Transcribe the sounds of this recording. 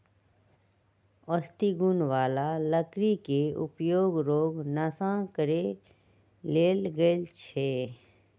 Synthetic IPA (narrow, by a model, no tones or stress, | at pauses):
ɔst̪iɡunʋaːlaləkɾikeʊpjoːɡɾoːɡnəsãkəɾe | leːlɡət͡ʃʰeː